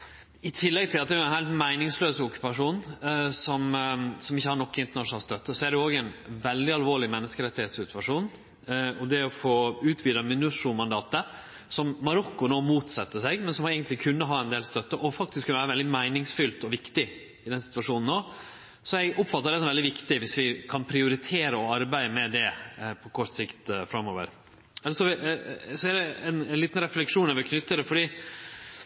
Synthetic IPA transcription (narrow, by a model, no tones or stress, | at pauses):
ɪt̪ʰɪlːɛɡt̪ʰɪlɑt̪̚æjʊɛnhæɪlt̪mæɪnɪŋsløːsəɔkːʉ̥pɑʂuːnsɔmsɔmɪçːəhɑɾɳɔkːɪnt̪əɳɑʂʊnɑlst̪œt̪ːəsɔæɖɛoːɡɛnʋɛld̪ɪɑlʋoːɭɪmɛnːəskəɾɛt̪ːɪheːt̪sɪt̪ʰʉʋɑʂuːn | ɔd̪ɛɔfoːʉːt̪ʰʋiːd̪ɑmɪnʉʂʊmɑnd̪ɑːt̪ə | sɔmːɑɾɔkːʊnoːmuːt̪sɑt̪ːəsɛɡmɛnsɔmɛɪɡənt̪lɪkʰʉnːəɦɑɛnd̪eːlst̪œt̪ːəʔɔfɑkt̪ɪskʰːʉnʋæːɾəʋɛld̪ɪmæɪnɪŋsfʏlt̪ɔʋɪkt̪ɪ | ɪd̪ɛnsɪ̥t̪ʋɑʂuːnn̩ːoː | sɔɛɡɔpːfɑt̪ːəɾɖ̪ɛs̬ɔmʋɛld̪ɪʋɪkt̪ɪʋɪsʋɪkʰɑnpʰɾɪʊɾɪt̪ʰeːɾəɔɑɾbæɪəmɛd̪ɛpʰɔkʰɔʂt̪sɪkt̪fɾɑmːoːʋə̰ɾ | ɛləʂɔʋɪsɔɛd̪ɛɛnnliːt̪n̩ɾɛflɛkʂuːnɑɾʋɪkʰnʏt̪ːəd̪ɛfɔɖiː